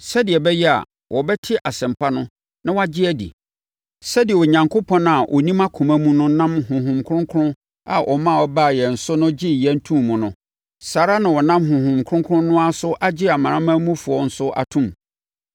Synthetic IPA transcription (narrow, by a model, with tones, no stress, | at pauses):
sɛ˦dɪ˨ɛ˨bɛ˦jɛ˦a̰˨ | wʔɔ˨bɛ˦tʰɪ˦ʔa˨sɛ̃˨m˨pʰa˦nʊ̃˦ | nã˦wa˦d͡ʑɪ˦æ˦dḭ˨ | sɛ˦dɪ˨ɛ˨ɔ˨ɲã˨ŋkʰo˦pʰɔ̃˦ña˨wʔɔ˨nĩ˦mã˦kʰʊ̃˨mæ˦mũ˦nʊ̃˦nã˦mɦʊ̃˨ɦʊ̃˨mkʰʊ̃˦ŋkʰʊ˦ɾʊ̃˦ | a̰˨ʔɔ˨mã˦˨ɔ˦ba˦˨jɛ˨n̩˨sʊ˦nʊ̃˦d͡ʑɪ˦jɛ˦n̩˦tʰũ˦mmːʊ̃˨nʊ̃˨ | saː˨ɾa˦nã˨wɔ˨nã˦mɦʊ̃˨hʊ̃˨mkʰʊ̃˦ŋkʰʊ˦ʊ̃˦nʊ̃˦a˦sʊ˦ʔa˦d͡ʑɪ˦a˨mã˨ɾã˦mã˦mũ˦fʊ˨ɔ˨n̩˦sʊ˦ʔa̰˨tʰũ˦m